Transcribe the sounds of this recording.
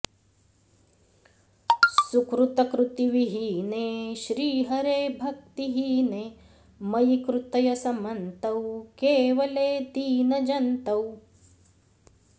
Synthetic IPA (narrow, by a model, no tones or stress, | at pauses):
sukɾut̪ɐkɾut̪iʋiɦineːʃɾiːɦɐɾeːbʱɐk̚t̪iɦiːneː | mɐjikɾut̪ɐjɐsɐmɐnt̪ɐwkeːʋɐleːd̪iːnɐd͡ʒɐnt̪ɐw